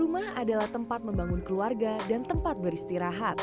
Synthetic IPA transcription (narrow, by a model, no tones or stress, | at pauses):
umahadalaht̪əmpat̪̚məmbaŋʊnkəluarɡadant̪əmpat̪̚bəɾist̪iɾaɦat̪̚